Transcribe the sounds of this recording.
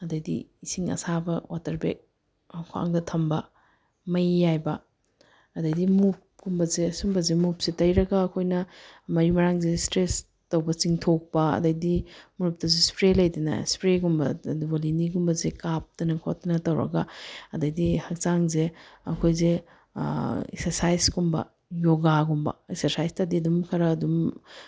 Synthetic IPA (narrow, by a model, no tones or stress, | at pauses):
ɐdɐjdḭisiŋɐ̰sabɐwatɐɾbḛk̚ | kʰoa̰ŋdɐtʰɐmbɐ | mɐjːajbɐː | dɐjdimup̚ɡumbɐzeɐsumbɐzemup̚sitɐjɾɐɡɐːkʰojnɐmɐɾimɐɾaŋzestɾes | tɐwbɐt͡ʃiŋtʰok̚pɐɐ̰dɐjdimuɾup̚tɐzespɾelɐjdinɐ̰spɾeɡumbɐ̰dubɐliniɡumbɐzekap̚tɐnɐkʰot̚ːɐnɐtɐwɾɐ̰ɡaɐdɐjdihɐk̚t͡ʃaŋzeɐ̰kʰojzḛ | ḛksɐɾsajskumbɐ̰ | joɡaɡumbɐ̰eksɐɾsajstadiɐdumkʰɐɾɐːdum